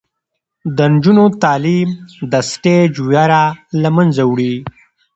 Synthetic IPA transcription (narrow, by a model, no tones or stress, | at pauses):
d̪ənd͡ʒunot̪aːlimd̪ɐsʈed͡ʒujaɾalamɐnzawɽi